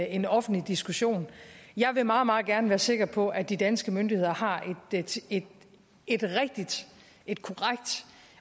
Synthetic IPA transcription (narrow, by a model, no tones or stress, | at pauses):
e̝nɒ̽fn̩lid̥isɡ̥uɕo̝̰ːnjɑ̈ɪʋe̝mɑ̈ːð̩ˠmɑ̈ːð̩ˠɡ̥æɐnəʋæːɐse̝ɡ̥ɐpʰɒ̽ʔæd̥id̥ænsɡ̥əmønd̥ihe̝ð̰ˠɐhɑ̈ʔe̝d̥e̥ | e̝d̥ʁɛɡ̥̚d̥id̥ | ʔe̝d̥kʰo̝ʁaɡ̥̚d̥